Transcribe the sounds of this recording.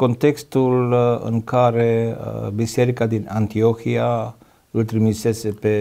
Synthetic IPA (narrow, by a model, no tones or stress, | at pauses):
kɔnt̪ɛkst̪ulə̰ŋkʰaɾebiseɾikad̪inant̪iokʰia | əlt̪ɾimisesepe